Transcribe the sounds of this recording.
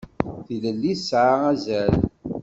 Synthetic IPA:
θiləlːisʕaæzæl

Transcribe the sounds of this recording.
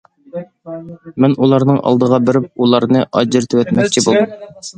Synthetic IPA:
mɪnulˠɑɾnɨŋʔɑ̰lˠd̪əʁɑbɪɾɪp̚ulˠɑɾnɨʔɑd͡ʒɪɾt̪ʰɪwɛt̪mɛkʲt͡ʃʰibulˠd̪um

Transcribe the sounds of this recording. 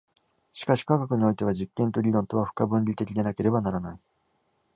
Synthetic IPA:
ɕi̥kaɕi̥kakakɯ̟ɲ̟io̞it̪e̞βad͡ʑikːẽ̞nt̪oɾʲiɾõ̞nt̪o̞βaɸɯ̥kabɯ̟̃ɲʲɾʲit̪e̞kʲid̪e̞nake̞ɾe̞banaɾanai

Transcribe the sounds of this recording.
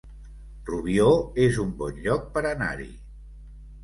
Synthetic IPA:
ruβioezumbɔnʎɔk̚pəɾəna̰ɾḭ

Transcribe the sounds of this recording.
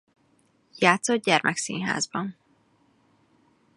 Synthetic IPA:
jaːt̪sod̪̚ɟɛrmɛksḭːnɦa̰ːzbɒn

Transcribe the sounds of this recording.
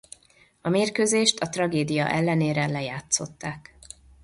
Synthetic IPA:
ɒmeːrkøːzeːʃt̪ʰɒt̪rɒɡeːd̪ijɒ̰ʔɛlːɛneːɾɛlɛjaːt̪so̞t̪ːaːk

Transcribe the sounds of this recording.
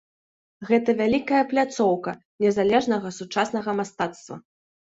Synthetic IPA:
ɣɛt̪ɐvʲalʲikɐjɐplʲat̪sɔwkɐ | nʲɛzalʲɛʐnɐɣɐsut͡ʂasn̪ɐɣɐmast̪at̪st̪vɐ̰

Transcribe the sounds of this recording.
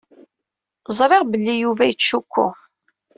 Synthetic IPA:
zˤɾˤeʁbəlːijuvæjət͡sːʃukʷːʊ̰

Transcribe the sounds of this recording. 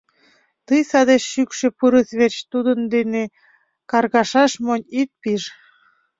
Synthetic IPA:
t̪ɯjsɑd̪eʃːykʃĕpuɾəsβet͡ɕt̪ud̪ənd̪ene | kɑrɣɑʃɑʃmonʲit̪̚piʒ

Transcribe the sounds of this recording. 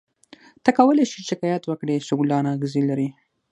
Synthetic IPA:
t̪akawəleʃiʃɪkɑjat̪wəkɽeʃʊɡlɑnɑɣɪzilaɾi

